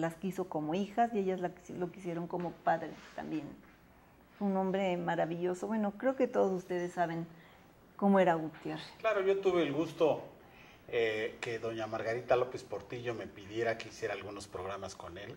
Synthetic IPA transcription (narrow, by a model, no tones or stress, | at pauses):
laskiso̞ko̞moixasie̞ʝazlalokisje̞ɾo̞ŋko̞mo̞paðɾet̪a̰mbje̞n | sunõ̞mbɾe̞maɾaβiʝo̞soβwe̞no̞kɾe̞oke̞t̪o̞ðosust̪e̞ðe̞sːaβ̞e̞ŋ | ko̞moe̞ɾaɣut̪je̞re̥sklaɾoʝo̞t̪uβeːlɣust̪o̞ | ekeðo̞ɲamaɾɣaɾit̪alo̞pe̞spo̞ɾt̪iʝo̞me̞piðje̞ɾakeisje̞ɾaːlɣuno̞spɾoɣɾamasko̞ne̞l